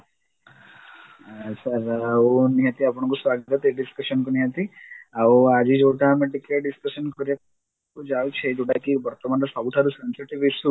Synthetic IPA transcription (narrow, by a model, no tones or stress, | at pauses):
sɐɾauniɦət̪iapɔɳ̃ɔŋkusʋaɡt̪ɐt̪eɖiskɐʃənkuniɦət̪iauad͡ʒid͡ʒewʈameʈikeɖiskəʃənkɔɾa | kud͡ʒawt͡ʃʰed͡ʒoʈakibɔɾt̪ɔmanɾɔsabuʈ̪ʰaɾusensiʈiʋisu